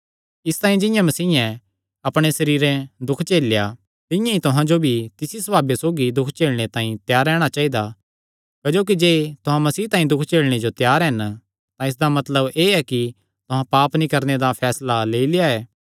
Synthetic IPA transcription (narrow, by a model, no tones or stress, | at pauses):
ɪst̪ãːĩd͡ʒɪ̃jãmɐsiːɛ̃ | ɐpɽ̃esɐɾiːɾɛ̃d̪ʊkʰt͡ʃeːlja | t̪ɪ̃jãit̪ʊɦãd͡ʒobʱit̪ɪsisɐbaːbjasoːɡid̪ʊkʰt͡ʃeːɭɽ̃et̪ãːĩt̪jaːɾɛːɽ̃at͡ʃaːid̪a | kd͡ʒoːk̬id͡ʒeːt̪ʊɦãmɐsiːt̪ãːĩd̪ʊkʰt͡ʃeːlɽ̃ed͡ʒot̪jaːɾɦɛn | t̪ãɪs̬d̪amɐt̪ləbeːɛki | t̪ʊɦãpaːpnĩkɐɾned̪apʰɛːslaleːilɪjaɛː